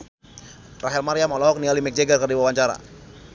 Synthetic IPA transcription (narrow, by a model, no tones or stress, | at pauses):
raɦɛlmaɾiamalɔɦɔk̚nialimɛk̚d͡ʒeɡalkərdiwawaɲt͡ʃaɾa̰